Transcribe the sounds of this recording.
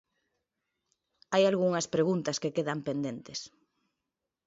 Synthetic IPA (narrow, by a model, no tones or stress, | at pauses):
ajalɣuŋɐspɾeɣunt̪ɐskekeðampend̪ent̪es